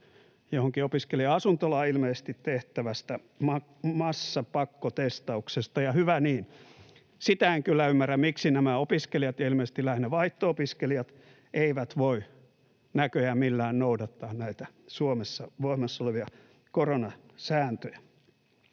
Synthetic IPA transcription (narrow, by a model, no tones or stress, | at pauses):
johoŋkiopiskeliɑsunt̪olɑilmeːsest̪it̪t̪eht̪æʋæst̪æ | mɑ | mɑsːɑpɑkːot̪est̪ɑuksest̪ɑjɑhyʋæniːn | sit̪æeŋkylːæymːæræmmiksinæmæopiskelijɑt̪jɑilmeːˑst̪ilæhneʋɑiht̪oopiskeliɑt̪ | eiʋæt̪ʋoi | nækøjæmilːæːnnoudɑt̪ːɑːnnæit̪æ | suomesːɑʋoimːɑsːoleʋiɑ | koronɑsæːnt̪øjæ